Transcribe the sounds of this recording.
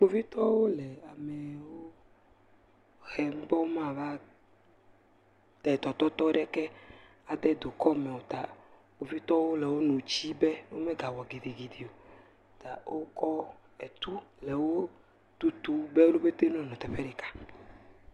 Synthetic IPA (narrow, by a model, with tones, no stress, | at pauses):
k͡po˦vi˦t̪ɔ˦wo˦lɛ˨a˨mɛ˨wo˦ | xɛ˨m̩˦bɔ˦wmã˦˨va˦ | t̪ɛ˨t̪ɔ˨t̪ɔ˦t̪ɔ˦ɖɛ˦kɛ˦ | a˨d̪ɛ˦d̪o˨kɔ˦mɛ̃˨wo˨t̪a˨ | k͡po˨vi˦t̪ɔ˦wo˦lɛ˨wo˦nũ˨t͡ɕi˦bɛ˦no˦mɛ̃˦ɡa˨wɔ˨ɡe˨d̪i˨ɡi˨d̪i˨o˨ | t̪a˨wo˦kɔ˦ | ɛ˨t̪u˦lɛ˨wo˦ | t̪u˦t̪u˦bɛ˦wo˦lo˦be˦t̪e˦nɔ̃˨nɔ̃˨t̪ɛ˨ɸɛ˦ɖe˨kḁ˨